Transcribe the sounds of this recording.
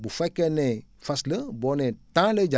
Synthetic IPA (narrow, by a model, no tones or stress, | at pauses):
bufakɛnɛ̃ | fasləbɔnɛ̃tãləd͡ʒa